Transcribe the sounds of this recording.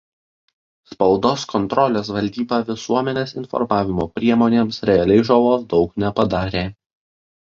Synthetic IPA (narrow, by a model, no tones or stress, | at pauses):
spɐʊd̪oːskʰɔnt̪ɾɔlʲeːs̬ʋɐlʲd̪ʲiːbɑːʋʲɪsuɔmʲɛnʲeːsɪnfɔ̰ɾmɑːʋʲɪmoːpʲɾʲiɛmoːnʲeːmsɾʲɛɐlʲɛɪʒɐlˠoːsd̪ɒʊknʲɛpɐd̪ɑːɾʲeː